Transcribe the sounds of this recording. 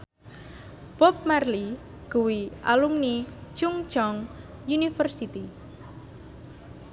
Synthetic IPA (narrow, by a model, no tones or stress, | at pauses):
b̥ɔp̚marli | ɡ̥uwiʔa̰luŋnit͡ʃuŋt͡ʃɔŋ | junifərsit̪i